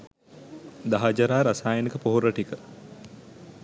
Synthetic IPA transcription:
d̪aɦad͡ʒaɾaːɾasaːjənikəpoɦoɾəʈikə

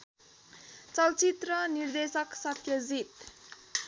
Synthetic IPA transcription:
t͡sʌlt͡sit̪rʌnird̪esʌksʌt̪ʰːjʌzit̪̚

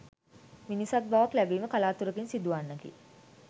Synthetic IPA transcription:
minisat̪̚baʋaklæbiːməkalaːt̪uɾəkinsid̪uʋanːəkḭ

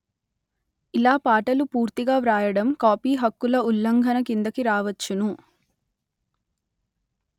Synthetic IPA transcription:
ilaːpaːʈɐlupuːɾt̪iɡaːʋɾaːjɐɽɐmkaːpiːɦɐkːulɐulːɐŋɡʱɐnɐkind̪ɐkiɾaːʋɐt͡ʃːunu

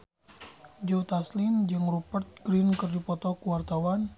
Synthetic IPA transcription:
d͡ʒowt̪aslind͡ʒɨŋrupərt̪̚ɡɾinkɨrdipɔt̪ɔkuwart̪awan

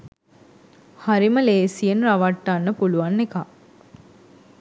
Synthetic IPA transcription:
haɾiməleːsienɾaʋaʈːanːəpuluʋanːeka

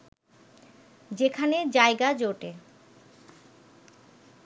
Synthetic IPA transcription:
d͡ʑekʰaned͡ʑaeɡad͡ʑoʈe

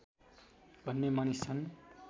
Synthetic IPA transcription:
b̥ʱʌnːemanist͡sʰʌn

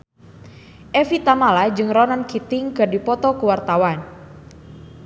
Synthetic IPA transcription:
ʔɛfit̪amalad͡ʒɨŋrɔnankit̪ɪŋkɨrdipɔt̪ɔkuwart̪awan

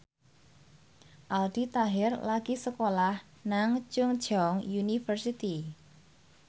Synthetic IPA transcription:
ʔald̪̥it̪aɦɪrlaɡ̥isəkolah | naŋt͡ʃʊŋd̥ʒ̥ɔŋjunifərsit̪i

